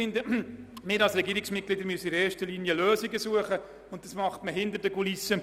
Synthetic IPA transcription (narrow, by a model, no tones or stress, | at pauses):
ɪndəmɪːɾɑlsɾɛɡiːɾɪksmɪt̚ɡ̥lɪd̪əɾmyəsəɪɾeːɾʃtəlinjəløːziɡəsuəχə | ʊnt̚d̥ɑsmɑχtməɦɪnd̪əɾdəkulisə